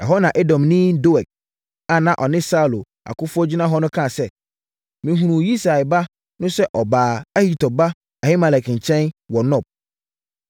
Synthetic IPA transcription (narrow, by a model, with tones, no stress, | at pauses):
ɛ̰˨ɦɔ˦nã˨ʔe˦dɔ̃˨mnĩ˦do˦ɛ˨k̚ | a˨nã˦ʔɔ˨nɪ̃˦sa˦˨lo˨ | a̰˨kʰʊ˦fʊ˦ɔ˦d͡ʑᶣi˦nã˦ɦɔ˦nʊ̃˦kʰã˦˨sɛ˦ | mĩ˨˦ɦũ˨ɾũ˨ji˦sa˨ba˦ | nʊ̃˦sɛ˦ʔɔ˨baː˨a˦hi˦tʰɔ˨ba˦ | a˨hɪ˦ma˨lɛ˨kʰɪ̃˨ɲ̩˨t͡ɕʰɛ̃˦nwɔ˨nɔ̃˦˨b̚